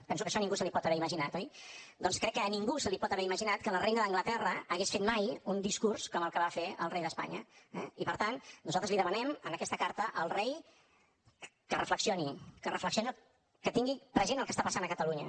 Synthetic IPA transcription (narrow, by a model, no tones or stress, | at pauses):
pɛns̬ukəʃɔnĩŋɡusəlipɔt̪əβɛɾiməʒinat̪ɔjd̪ɔnskɾɛkːəniŋɡusəlipɔt̪əβɛɾiməʒinat̪̚kələrejnəðəŋɡlət̪ɛrəːɣesfet̪majund̪iskurskɔməlˠkəβafeə̰lˠrejðəspa̰ɲə̰ɛ̰ipəɾt̪annuzalt̪ɾəzliðəmənɛmənəkɛst̪əkaɾt̪əʔəlˠrej | kərəfləksionikərəfləksioni | kət̪iŋɡipɾəzenəlˠkəst̪apəsanəkət̪əluɲə̰